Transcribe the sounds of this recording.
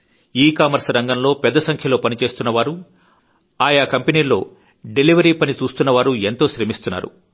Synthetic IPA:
iːkaːmɐɾsɾɐŋɡɐnlo̞ːpɛd̪ːɐsɐŋkʰjɐlo̞ːpɐnit͡ʃe̞ːst̪unːɐʋaːɾu | aːjaːkɐmpeniːlo̞ː | ɖeliʋɐɾiːpɐnit͡ʃuːst̪unːɐʋaːɾue̞nt̪o̞ːʃɾemist̪unːa̰ːɾṵ

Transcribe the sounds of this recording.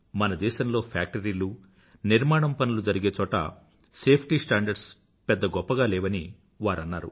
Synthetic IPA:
mɐnɐd̪ɛːʃɐmlo̞ːpʰa̰ːk̚ʈɐɾiːlu | niɾmaːɽɐmpɐnulud͡ʒɐɾiɡeːt͡ʃɔːʈɐ̰ | se̞ːpʰʈisʈaːɳɖɐɾɖs | pɛd̪ːɐɡɔpːɐɡaːlɛːʋɐni | ʋaːɾɐnːaːɾṵ

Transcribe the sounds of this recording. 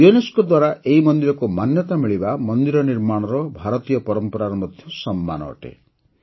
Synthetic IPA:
ueneskɔd̪waɾaʔeɦimɔnd̪iɾɔkumanjɔt̪amiɭibamɔnd̪iɾɔniɾmaɽ̃ɔɾɔbʱaɾɔt̪ijɔpɔɾɔmpɔɾaɾɔmɔd̪ʱjɔsɔmːa̰nɔ̰ːʈḛ

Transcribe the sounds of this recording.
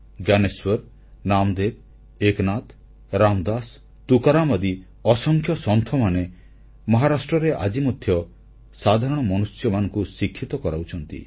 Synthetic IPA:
ɡjaneswɔɾ | namd̪eb̚ | eknat̪ | ɾamd̪as | t̪ukaɾamɔd̪i | ɔsɔŋkʰjɔsɔnt̪ʰɔmane | mɔɦaɾasʈɾɔɾeʔa̰d͡ʒimɔd̪ʱjɔ | sad̪ʱaɾɔɽ̃ɔmɔnusjɔmanɔŋkusikʰːit̪ɔkɔɾawt͡ʃʰɔnt̪ḭ

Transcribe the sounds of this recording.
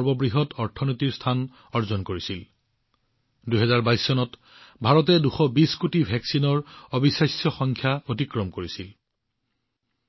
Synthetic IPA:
ɔɹbɔbɹiɦɔtʰɔɹtʰɔnojtiɹstʰan | ɔɹzɔnkoɹisil | duɦɛzaɹbajsːɔnɔt | bʱaɹɔt̬ɛduxɔbiskutibʱɛksinɔɹobisajsjɔxɔŋkʰjapotikɹɔmkoɹisil

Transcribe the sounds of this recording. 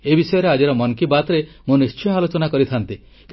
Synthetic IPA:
ebisɔjɔɾead͡ʒaɾɔmɔŋkibat̪ɾemonist͡ʃjɔalot͡ʃɔnakɔɾit̪ʰant̪i | k

